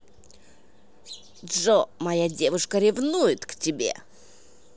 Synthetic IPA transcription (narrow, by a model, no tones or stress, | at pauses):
ʐomajadʲe̞vɨʂkəɾʲɪvnujɪt̪ktʲɪbʲe̞̰